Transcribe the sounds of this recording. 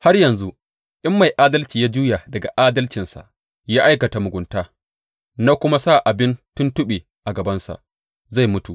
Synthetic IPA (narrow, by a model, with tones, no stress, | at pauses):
ha˦rjɐ˨nzu˦ | ʔɪ˦mːa˨jʔaː˦dɐ˦lt͡ʃiː˨jaː˦d͡ʒuː˦ja˨dɐ˨ɡa˨ʔaː˦dɐ˦lt͡ʃɪ˨nsa̰˨ʔ | jaː˦ʔa˦jkɐ˨ta˨mʊ˨ɡʷʊ˨ntaː˦ | na˦kʷʊ˦ma˦saː˦˨ʔa˨bɪ˦ntʊ˦ntʊ˦ɓe˨ | ʔa˨ɡɐ˨bɐ˦nsa̰˨ʔ | za˦˨jmʊ˦tu˨ʔ